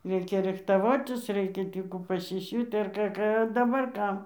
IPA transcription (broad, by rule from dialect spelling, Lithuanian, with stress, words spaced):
ˈrʲɛɪkʲɛ ˈrʲɪxtɐʋoːtʲɪs ˈrʲɛɪkʲɛ ˈtʲiː kuː pɐsʲɪˈsʲuːtʲ ɐr ˈkɑː ˈkɑː ɐ dɐˈbɐr ˈkɐm